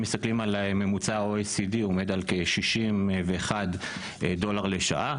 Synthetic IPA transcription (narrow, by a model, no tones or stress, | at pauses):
mist̪aklimalme̞mut͡saoesid̪iome̞d̪alkeʃiʃimveeχad̪ | do̞laʁleʃa̰ʔa